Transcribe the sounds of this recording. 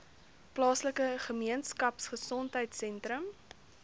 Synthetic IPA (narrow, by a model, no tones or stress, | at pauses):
plɑːsləkəχəmiənskɐpsχəsɔntɦəjtsɛntɾəm